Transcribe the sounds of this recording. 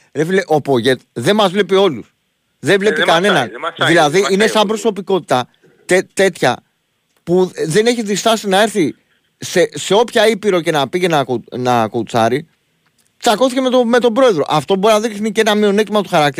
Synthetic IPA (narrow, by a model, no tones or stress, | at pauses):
ɾefileʔo̞po̞ʝe̞t̪ðe̞mɐzvle̞pio̞lus | ðevle̞pikɐne̞nɐnðilɐðiinesɐmbɾo̞so̞piko̞t̪i̥t̪ɐ | t̪et̪e̞t̪çɐ̰ | puðe̞ne̞çiðist̪ɐsinɐe̞ɾθi | sese̞o̞pçɐipiɾo̞ce̞nɐpiʝenɐonɐkout͡sɐ̰ɾi | t͡sɐko̞θicemet̪ome̞t̪o̞bɾo̞e̞ðɾo̞̰ʔɐft̪o̞bo̞ɾinɐðiksniceenɐmio̞net̪imɐt̪u̥xɐɾɐk̚t̪i